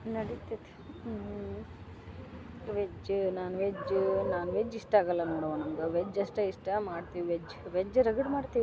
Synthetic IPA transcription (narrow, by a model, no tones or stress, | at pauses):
nɐɽit̪it̪e̥ | ʋed͡ʒnaːnuʋed͡ʒnaːnuʋed͡ʒiʂʈaːɡɐlːɐnoːɽɐʋɐnɐmɡeʋed͡ʒɐʂʈɐiʂʈɐmaːɽt̪iʋiʋed͡ʒːʋed͡ʒːɾɐɡɐɽmaːɽt̪iʋ